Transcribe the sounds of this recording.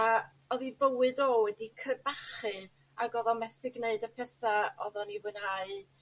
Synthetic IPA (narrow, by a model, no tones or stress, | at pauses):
a | ɔðivəwɨdoːwɛdikʰrɛbaχɨ | aɡɔðɔmɛθɪɡneɨdəpʰɛθaɔðɔnivɨnaɨ